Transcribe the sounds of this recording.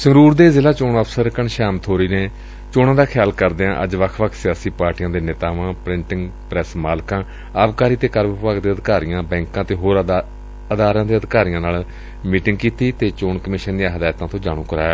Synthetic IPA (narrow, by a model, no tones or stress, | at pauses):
səɾuːɾd̪eːzɪlaːt͡ʃoːnəpʰsəɾkəɳʃaːmt̪ʰoːɾiːneː | t͡ʃoːnãːd̪aːkʰɪjaːlkəɾd̪eːãːʔə̰d͡ʒʋəkʰʋəkʰsɪjaːsiːpaːɾʈijãːd̪eːneːt̪aːʋãːpɾɪɳʈɪŋɡpɾɛsmaːlkãː | aːʋkaːɾiːt̪eːkəɾməpaːɡd̪eːəd̪kaːɾijãːbɛ̃ːŋkãːt̪eːɦoːɾ | əd̪aːɾãːd̪eːəd̪kaːɾijãːnaːl | miːʈɪŋɡkiːt̪iːt̪eːt͡ʃoːɳkəmɪːʃənd̪ijãːɦəd̪aːt̪ãːt̪õːd͡ʒaːɽ̃ũːkəɾaːjː